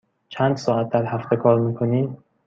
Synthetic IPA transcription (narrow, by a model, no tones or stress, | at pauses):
t͡ʃʰænd̪sɒːæt̪̚ʰd̪æɾhæft̪ʰe̞kʰɒːɾmiːkʰoniː